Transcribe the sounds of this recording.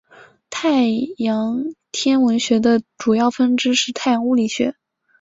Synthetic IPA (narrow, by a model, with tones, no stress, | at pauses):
t̪ʰa˥˩ɪjɑ˧˥ŋt̪ʰjɛ˥nwə˧˥nɕɥɛ˧˥d̪ə˧ʈ͡ʂu˨˩jɑ˥˩ʊfə˥nʈ͡ʂɻ̩˥ʂɻ̩˥˧t̪ʰa˥˩ɪjɑ˧˥ŋu˥li˨˩ɕɥɛ̰˧˥